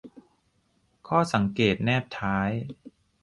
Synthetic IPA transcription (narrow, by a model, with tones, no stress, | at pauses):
kʰɔː˥˩sa˩˦ŋkeː˨˩t̪̚nɛː˥˩p̚t̪ʰaː˦˥j